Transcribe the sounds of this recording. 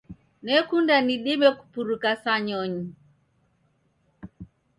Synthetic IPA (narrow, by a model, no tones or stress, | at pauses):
nɛkundaniɗimɛku̥puɾukasaɲɔɲi